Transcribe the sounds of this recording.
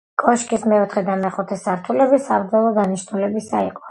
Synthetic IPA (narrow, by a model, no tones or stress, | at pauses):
kʼɔʃkʼismɛɔt̪ʰχɛd̪amɛχut̪ʰɛsaɾt̪ʰulɛbisapd̪zɔlˠɔɡ̪aniʃnulɛbisaiqʼɔ̥